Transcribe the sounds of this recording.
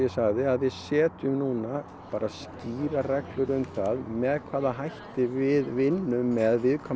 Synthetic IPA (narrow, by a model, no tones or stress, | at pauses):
jɛsaɣðɪaðvɪðsɛːt̪ʏmnuːna | paːɾʔasciːɾarɛklʏɾʏmt̪aðmɛðkʰvaːðaɦajht̪ɪvɪðvɪnːʏmmːɛðvɪðkʰɔ